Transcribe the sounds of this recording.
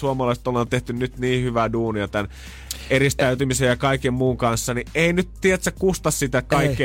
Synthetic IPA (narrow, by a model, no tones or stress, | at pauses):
uomɑlɑˑiset̪olːɑnt̪eht̪ynnyt̪niːhyʋæduːniɑt̪æn | erist̪æyt̪ymisejjɑkɑikemmuːŋkɑnsːɑnieinyt̪t̪iet̪sækkust̪ɑssit̪ækɑikːi